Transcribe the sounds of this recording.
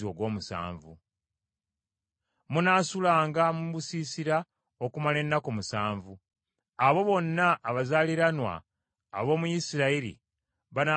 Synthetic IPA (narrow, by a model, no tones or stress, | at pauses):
o̞ɡwo̞ːmusa̰ːɱvṵ | munaːsulaːŋɡamuβusiːsiɾa | okumale̞nːakomusaːɱvu | aβo̞βo̞nːaʔːβazaːliɾanwa̰ː | βo̞ːmujisiɾaiɾḭ | βana